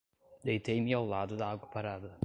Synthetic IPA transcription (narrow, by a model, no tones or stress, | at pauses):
d̪ejt̪ejmɪawlad̪ʊd̪ɐaɡwɐpaɾad̪ɐ